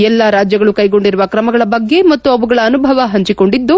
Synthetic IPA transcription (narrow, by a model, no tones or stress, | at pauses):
ɛlːaɾaːd͡ʒjɐɡɐɭukɐjɡo̞ɳɖiɾuʋɐkɾɐmɐɡɐɭɐbɐɡːe̞mɐt̪ːuɐʋuɡɐɭɐːnubʱɐʋɐɦɐɲt͡ʃiko̞ɳɖid̪ːu